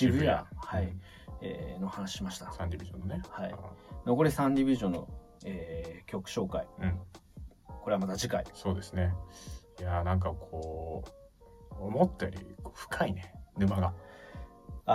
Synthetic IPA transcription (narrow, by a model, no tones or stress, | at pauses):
ɕibɯahai | ḛːno̞hanaɕi̥ɕimaɕi̥t̪ḁsãɲʲdʲibʲiʑõ̰nːonehaḭnoko̞ɾʲesãɲdʲibʲiʑõ̞nːo̞̰ | eːkʲo̞kɯ̟̥ɕo̞ːkaiɯ̟̃ | ko̞ɾe̞amat̪ad͡ʑikaiso̞ːd̪e̞sɨnejanãŋk̬akʰoː | mot̪ːaɾʲḭkoːɸɯ̥kʰainenɯ̟maɡa | a